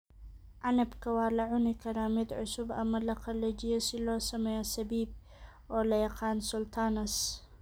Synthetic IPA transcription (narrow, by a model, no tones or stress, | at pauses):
ʔanɐbkʰɐwaːlɐʕʊnikʰɐɾaːmɪd̪ʕʊsʊbʔɐ̰mːɐlɐqʰɑlːɐd͡ʒɪjɐsɪlɔːsɐmɛjasɐbiːb̚ | ʔɔːlɐjɑqɑːnsʊlt̪ʰaːnɐs